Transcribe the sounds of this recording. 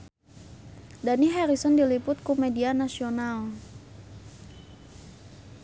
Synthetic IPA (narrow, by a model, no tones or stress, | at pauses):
daniɦɛɾisɔndilipʊt̪̚kumedianasional